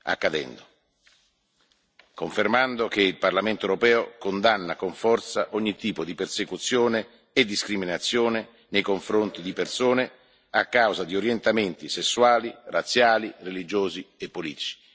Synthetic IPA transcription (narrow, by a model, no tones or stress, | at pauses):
a̰kːad̪ɛ̰nd̪o | koɱfermand̪okeilparlament̪oewɾopɛːokond̪anːakoɱfɔrt̪saʔɔɲːit̪ːiːpod̪ipersekut̪sːjoːneː | d̪ːiskɾiminat̪sːjoːne | nejkoɱfɾont̪id̪ipersoːne | akːawzad̪ioɾjent̪ament̪isesːwaːlirat̪sjaːlirelid͡ʒoːziepːoliːt̪i̥t͡ʃi̥